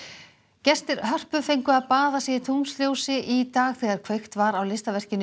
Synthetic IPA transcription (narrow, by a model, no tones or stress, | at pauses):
cɛst̪ɪɾhœr̥pʏfejŋkʏaðpaːðasjɛɪt̪ʰumst̪ɾjowsɪʔit̪aːɣθɛːɣaɾ̥kʰvœɥxt̪vaɾawlɪst̪avɛr̥cɪnːɪ